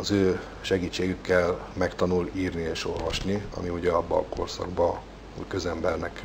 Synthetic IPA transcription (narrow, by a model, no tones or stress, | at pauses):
ɒzøː | ʃɛɡiːt͡ʃːeːɡykːɛlmɛkt̪ɒnuliːrnieːʃo̞lvɒʃniɒ̰miuɟɛɒbːɒːkʰo̞̰rsɒ̰ɡbɒ | uckø̞zɛmbɛrnɛk